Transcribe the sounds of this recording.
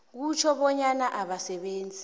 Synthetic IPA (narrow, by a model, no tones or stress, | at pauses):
k̬ut͡ʃʰɔɓɔɲanaʔaɓasɛɓeːnd͡zʱi